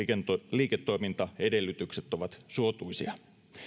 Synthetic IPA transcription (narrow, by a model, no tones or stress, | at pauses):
liːket̪ːo̞jmint̪ɑe̞de̞lːyt̪ykset̪ːoʋɑt̪suot̪uisḭɑ